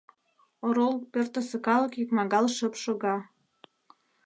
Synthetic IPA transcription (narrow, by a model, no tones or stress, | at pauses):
oɾol̚pørt̪ə̆sə̆kɑləkjykmɑɣɑlʃə̆pʃoɣɑ